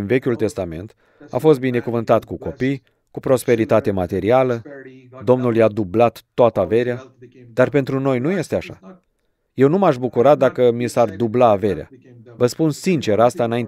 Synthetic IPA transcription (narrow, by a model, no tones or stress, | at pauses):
nve̞kʲult̪e̞st̪ame̞̰nt̪ | a̰fo̞s̬t̪̚bine̞kuvɨnt̪at̪kuko̞pij | kupɾo̞spe̞ɾit̪at̪e̞mat̪e̞ɾialəd̪o̞mnuljad̪ublat̪ːoat̪əave̞ɾea | d̪̥arpe̞nt̪ɾuno̞jnuje̞st̪eaʃa̰ | je̞wnumaʃbukuɾat̪̚d̪akəmisard̪ublaːve̞ɾea̰ | vəspunsint͡ʃe̞ɾast̪aɨnaint̪